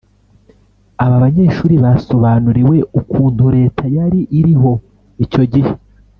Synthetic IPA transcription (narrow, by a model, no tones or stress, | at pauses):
aβaβaɲe̞ːʃuːɾiβaso̞βaːnuɾewe̞ukuːnduɾe̞ːtʰajaɾiʔiɾiɦo̞ | ico̞ɟihe